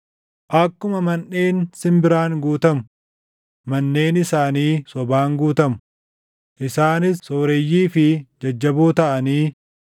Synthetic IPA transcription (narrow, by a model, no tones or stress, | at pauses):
ʔɐkːʊmɐmɐnʔe̞ːnsɪmbɪɾaːŋɡuːt̪ɐmʊ | mɐnːe̞ːnɪsaːniːsɔbaːŋɡuːt̪ɐmʊ̥ | ʔɪsaːnɪsːoːɾɛjːiːfɪd͡ʒɐd͡ʒːɐbuːt̪ɐʔɐniː